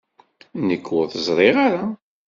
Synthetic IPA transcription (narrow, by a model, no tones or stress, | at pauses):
nəkːʊθəzˤɾˤeʁaɾa